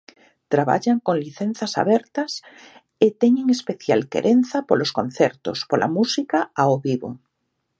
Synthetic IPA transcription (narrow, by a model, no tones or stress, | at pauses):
t̪ɾaβa̰ʎaŋkoŋliθen̟θasa̰βɛɾt̪as | et̪eɲeŋespeθjalkḛɾʔen̟θapoloskõn̟θeɾt̪o̰spolʔa̰musikaaoβiβo̰